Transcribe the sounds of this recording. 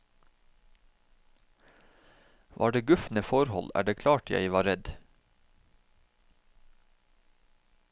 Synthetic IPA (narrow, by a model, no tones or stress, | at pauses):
ʋʔɑ̰ːɖeːɡʉfnəfɔɾhɔ̰læ̰ːɖeːkʰlɑːʈʰjæ̰ɪʋɑːɾɛd̪